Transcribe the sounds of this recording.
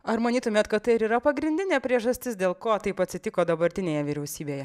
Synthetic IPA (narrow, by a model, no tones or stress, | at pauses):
ɐɾmɐnʲiːt̪ʊmʲeːt̪kɐt̪t̪ːɐɪɪɾiːɾɐpɐɡɾʲɪnʲd̪ʲɪnʲeːpʲɾʲiɛʒɐsʲt̪ʲɪs̬d̪ʲeːlˠkoːt̪ɐɪpɐt̪ʲsʲɪt̪ʲɪkoːd̪ɐbɐɾʲt̪ʲɪnʲeːjɛʋʲiːɾʲɛʊsʲiːbʲeːjɛ